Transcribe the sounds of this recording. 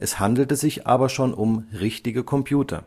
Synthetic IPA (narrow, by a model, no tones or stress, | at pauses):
ʔɛshandl̩təzɪçʔa̰ːbɐʃoːnʔʊmʁɪçtɪɡəkʰɔmpʰjuːtʰɐ̰